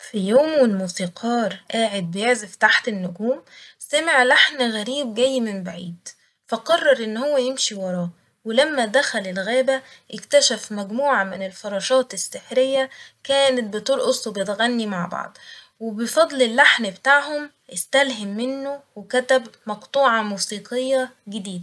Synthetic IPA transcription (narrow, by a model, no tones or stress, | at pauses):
fijoːmwelmusiːqʰɑːɾˤʔaːʕed̪̚bɪjeʕzeft̪aħt̪enːʊɡuːmsæmeʕlaħnɣæɾiːb̚ɡæjːmɪmbaʕḭːd̪ | fæqɑrˤːɑɾˤʔenːhowːæjemʃiwɑɾˤɑːʔ | welæmːæd̪æxælelɣæːbæʔɪkt̪æʃæfmæɡmuːʕamɪnelfɑɾˤɑːʃɑːt̪ɪsːeħɾejːækæːnæt̪̚bet̪ˤuːlʔosˤːbjet̪ɣænːimaʕbɑ̰ʕd̪ˤ | webefɑd̪ˤlelːaħnbet̪aʕhom | ʔɪst̪ælɦɪmːɪnːowekæt̪æbmɑqt̪ˤuːʕɑmuːsiːqejːæɡɪd̪iːd̪æ